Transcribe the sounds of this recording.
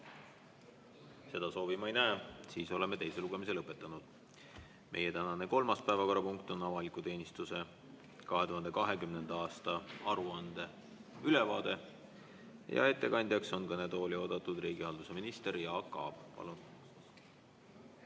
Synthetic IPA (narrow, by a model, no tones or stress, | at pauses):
se̞d̪̥ɑso̞ːvimɑejnæesiːso̞le̞me̞t̪e̞jse̞luɡ̥e̞mise̞lɤpːˑe̞t̪ˑːɑnud̪̥ | mʔe̞je̞t̪ænɑne̞ko̞lmɑspæevɑko̞ɾɑpuŋkt̪o̞nɑvɑlikːˑut̪e̞ːnʲist̪use̞ | kɑɦe̞t̪uɦɑnd̪e̞kɑɦe̞kymne̞nd̪̥ɑɑːst̪ɑɑɾuɑnd̪̥e̞ | yle̞vɑːd̪̥e̞ | jɑ̰e̞t̪ˑːe̞kɑnʲd̪̥ʲjɑkso̞nkɤne̞d̪o̞ːlʲio̞ːd̪̥ɑt̪ːˑud̪riːɡihɑld̪̥use̞minist̪eɾjɑːkːɑ̰ːb̥pɑ̰lun